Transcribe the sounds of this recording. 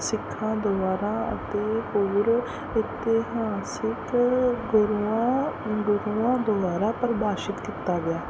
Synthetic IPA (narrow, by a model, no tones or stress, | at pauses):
sɪkʰːãːd̪ʊbaːɾãːə̰t̪eːɦoːɾ | ɪt̪ːeːɦãːsɪkɡʊɾãːɡʊɾuːãːd̪ʊbaːɾaːpəɾbaːʃɪt̪kiːt̪aːɡɪjaː